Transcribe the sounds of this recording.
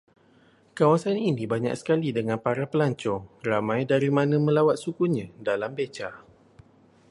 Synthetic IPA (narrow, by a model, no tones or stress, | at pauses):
kawasaninĩbaɲa̰ksə̥kalidəŋãnpaɾapəlaɲt͡ʃɔŋramãjdaɾimãnə̃mə̃lawat̪̚sukuɲãdalambet͡ʃa